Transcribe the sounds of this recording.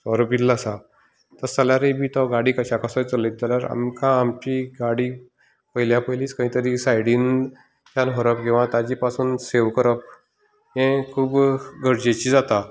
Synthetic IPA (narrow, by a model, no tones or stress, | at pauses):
ɔɾəpilːasa | t̪əɾsəljaɾebʱiːt̪ɔɡaɽiːkəɕakasət͡səlet̪̚d̪eljaɾa̰mkãːmt͡ɕiːɡaɽiː | pəiljapəliːskə̃ɦĩːt̪əɾiːsajɽiːn | t̪janɦɔɾəpkĩw̃ʋat̪ad͡ʑiːpasuːnseʋkəɾəp | ɦẽkʰuːbɡʱəɾd͡ʑet͡ɕid͡zat̪a